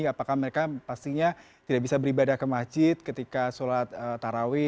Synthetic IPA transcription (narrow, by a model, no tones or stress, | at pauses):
apakahməɾekapast̪iɲa | t̪idaʔbisabəɾibadahkəmad͡ʒɪt̪̚kət̪ikasolat̪̚ət̪aɾawɪ